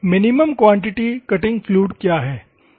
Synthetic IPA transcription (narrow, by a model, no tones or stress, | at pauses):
mɪnɪməmkʋãːɳʈɪʈikɐʈɪ̃ŋɡfluːɖkjaːɦɛː